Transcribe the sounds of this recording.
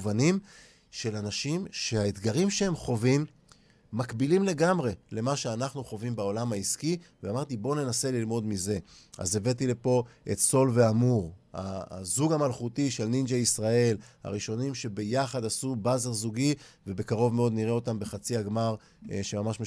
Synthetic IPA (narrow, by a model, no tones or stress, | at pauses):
vanim | ʃe̞lanaʃimʃe̞haet̪ɡaʁimʃehe̞mχo̞vimː | akbilimle̞ɡamʁe̞le̞maʃeanaχnuχo̞vimbeo̞lamhaiskiveamaʁt̪ibo̞ne̞nase̞lilmo̞d̪mize̞a̰ze̞ve̞t̪ilepo̞ʔe̞̰t̪so̞lve̞amuʁha̰zuɡamalχutiʃe̞lnind͡ʒejisʁae̞lha̰ʁiʃo̞nimʃe̞be̞jaχad̪asubazeʁzuɡive̞be̞kaʁo̞vmeo̞d̪niʁeo̞t̪ambe̞χat͡siaɡmaʁ | ʃe̞mamaʃme